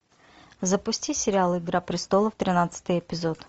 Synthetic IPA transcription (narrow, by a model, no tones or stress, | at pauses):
zəpʊsʲtʲisʲɪɾʲɪalˠɪɡɾapɾʲɪst̪o̞lˠəft̪ɾʲɪnat̪sɨ̥t̪ɨjɛpʲɪzo̞t̪